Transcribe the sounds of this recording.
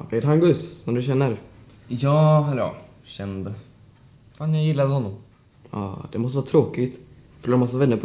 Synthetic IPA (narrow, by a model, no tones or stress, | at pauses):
ɔkɛɾɦaŋɡʉssɔmd̪ɵɕɛnːəɾ | jɑːɾɑ̰ː | ɕɛnd̪ə | faːnjajɪlːad̪əhɔnːɔm | ɑ̰ːd̪̥ɛmɔst̪əʋɑːt̪ʰɾoːkɪt̪ | fœ̥ʂɭoːɾmas̬ːavɛnːəɾpʰ